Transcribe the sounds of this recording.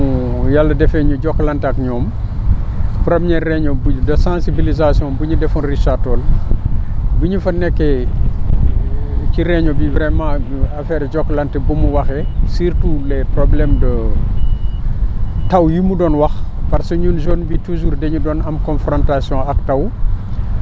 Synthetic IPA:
jalːɐdɛfɛɲuɟɔkːlɐntɐkɲɔːm | pɾɐmɲɛrːɛɲɔbudɐsãsibilizasjɔ̃nbuɲudɛfɔnriʃatɔːl | buɲufɐnɛkːɛ | ciɾɛɲɔbivɾɛmãːuɐfɛːɾɟɔkːlɐntɛbumuwɐxɛsirtulɛprɔblɛmdə | tɐwjumudɔnwɐxpɐɾsuɲunʒɔnbituʒuːrdɛɲudɔːnɐmkɔ̃nfrɔ̃ntasjɔ̃ɐktɐw

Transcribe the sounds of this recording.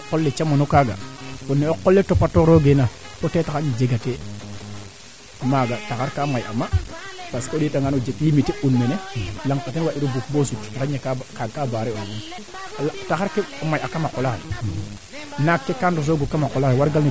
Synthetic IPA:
kolːet͡ʃamanokaɡa̰onːeokːolːetopatːoɾoɡena | totetakaɲid͡ʒeɡate | maɡatakaɾkaːmajʔa̰mːapaskeoditaŋɡanod͡ʒeklimiteʔunːenelaŋpatenwaiɾobukbosuttaɾaɲekakaɡkaːbaɾeowun | ltakaɾkemajakamakolakḛ | nakːekandus̬oɡokːamakolaɣwaɾɡalne

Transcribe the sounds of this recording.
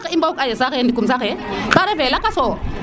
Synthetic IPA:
kimbaukajɛsakɛndikums̬akɛǃaɾɛvɛlakasɔ

